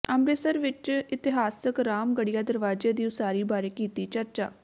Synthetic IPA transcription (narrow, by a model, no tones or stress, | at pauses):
əmɾeːsəɾʋɪt͡ʃɪt̪ɪɦaːsəkɾaːmɡəɽijaːd̪əɾʋaːd͡ʒeːd̪iːʊsaːɾiːbaːɾeːkiːt̪iːt͡ʃəɾt͡ʃa̰ː